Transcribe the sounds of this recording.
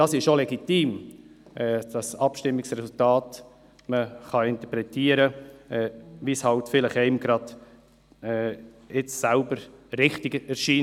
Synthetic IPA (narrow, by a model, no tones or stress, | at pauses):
d̥ɑsɪʃʃolɛɡitiːmʔɛd̥ɑsɑpʃtɪmːɪksrɛsʊltɑːt | məχɑɪnt̪əpɾɛtiːəɾəɛvishɑltfɪləχɛɪmɡ̥ɾɑd | ɛ | ɪt͡ssælbəɾɾɪχtɪɡɛɾʃiː